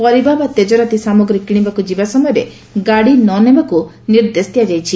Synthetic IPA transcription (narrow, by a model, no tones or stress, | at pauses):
pɔɾibʱabat̪ed͡ʒɔɾat̪isamɔɡɾikiɽ̃ibakud͡ʒibasɔmɔjɔɾe | ɡaɽinɔnebaku | niɾd̪est̪jad͡ʒajt͡ʃʰi